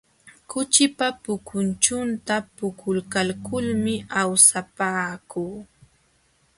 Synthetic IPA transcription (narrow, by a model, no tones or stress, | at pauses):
kʊt͡ʃɪpapʊkʰʊnt͡ʃʊnt̪apʊkʰʊlkalkʊlmɪawsapaːkuː